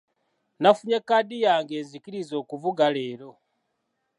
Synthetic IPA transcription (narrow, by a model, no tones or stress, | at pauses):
nafuɲekadijaːŋɡe̞ːnzikiɾizo̞ːkuvuɡale̞ːɾo̞